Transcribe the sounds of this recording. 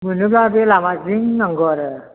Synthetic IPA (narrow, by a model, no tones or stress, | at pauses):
munɯblabelamaziŋnaŋɡɔɾ